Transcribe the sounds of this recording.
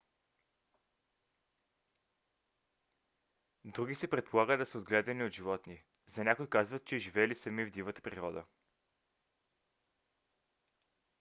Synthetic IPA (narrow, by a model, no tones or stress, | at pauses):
d̪ɾuɡisɛpɾɛt̪̚pʰolˠaɡəd̪ɐsəod̪ɡlɛd̪əniot̪ʒivɔt̪ni | zɐnʲakʊjkazvət̪̚t͡ʃɛʒivɛlisɐmivd̪ivət̪ə̥pɾiɾɔd̪ə̰